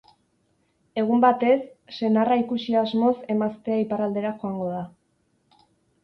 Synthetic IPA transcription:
e̞ɣ̞umbat̪e̞sːe̞naraikusiazmo̞se̞mast̪e̞aiparald̪e̞ɾaxo̞aŋɡo̞ð̞a

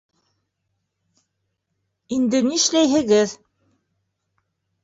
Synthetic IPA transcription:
ind̪ɘnĭʃlæjɦɘ̆ɣɘð

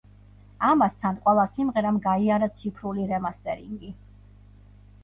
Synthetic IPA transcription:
amast̪ʰanqʼwɛlˠasimʁɛɾamɡaiaɾat̪sʰipʰɾuliɾɛmast̪ʼɛɾiŋɡi

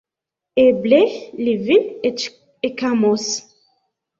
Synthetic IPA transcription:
eblelivile | ekamɔs

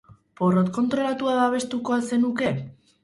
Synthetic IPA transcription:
po̞rot̪ko̞nt̪ɾo̞lat̪uaðaβ̞e̞st̪uko̞ase̞nuke̞

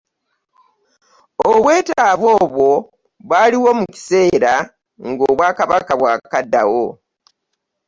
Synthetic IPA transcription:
oβwe̞ːtaːβo̞ːβwo̞ | βwaːliwo̞muci̥se̞ːɾa | ŋɡoːβwaːkaβakaβwaːkadːa̰wo

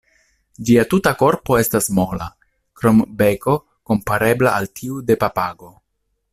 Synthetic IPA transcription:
d͡ʒiatutako̞ɾpo̞e̞stasmo̞la̰ | kɾo̞mbe̞ko̞ | ko̞mpaɾe̞blaʔaltʰiude̞papaɡo̞

